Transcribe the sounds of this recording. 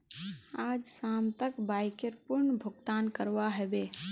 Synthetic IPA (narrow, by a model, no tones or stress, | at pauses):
aːd͡ʒsaːmt̪əkbaːɪkeɾpʊɾɳbʱʊɡt̪aːnkəɾʋaɦɛbeː